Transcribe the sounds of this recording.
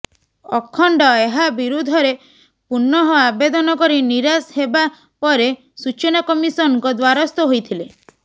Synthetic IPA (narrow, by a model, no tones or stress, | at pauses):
ɔkʰɔɳɖɔeɦabiɾud̪ʱɔɾe | puɾnːɔɦɔabed̪ɔnɔkɔɾiniɾasɦeba | pɔɾe | sut͡ʃɔnakɔmisɔnɔŋkɔd̪waɾɔst̪ɔɦojt̪ʰile